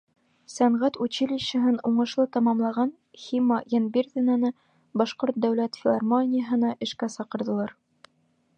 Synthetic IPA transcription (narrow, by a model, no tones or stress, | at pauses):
sæɴʁæt̪ʉt͡ɕɘlʲiɕɘ̆ɦɘnuɴɤ̆ʃlˠɤt̪ɑmɑmlˠɑʁɑn | xʲimːɑjænbʲerðʲɘnɑnɤ | bɑʃqoɾt̪̚d̪æwlæt̪fʲɪlˠɑrmonʲɪjəɦɤ̆nɑʔɘ̆ʃkæsɑqɤ̆ɾðɤ̆lˠɑɾ